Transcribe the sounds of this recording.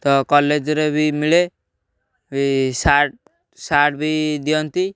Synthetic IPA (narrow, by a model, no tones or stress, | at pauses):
t̪ɔkɔled͡ʒɾebʱimiɭe | isaʈ̚ | saʈbʱid̪ijɔnt̪i